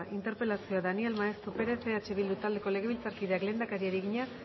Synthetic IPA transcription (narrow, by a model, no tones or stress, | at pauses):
ʔint̪e̞ɾpe̞lasio̞aðanielmaest̪ɾupe̞ɾeseat͡ʃeβild̪ut̪ald̪e̞ko̞le̞ɣe̞β̞ilt͡saɾkiðe̞akle̞ːnd̪akaɾiaɾiɣiɲa